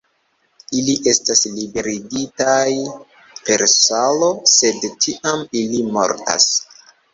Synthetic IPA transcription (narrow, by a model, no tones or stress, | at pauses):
iliʔe̞staslibe̞ɾiɡitaj | pe̞ɾsalo̞se̞dtʰiʔamilimo̞̰ɾta̰s